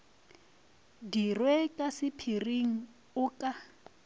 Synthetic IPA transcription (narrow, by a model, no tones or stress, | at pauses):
dirwɛkʼasɪpʰiriŋ̩ | ʊːkʼa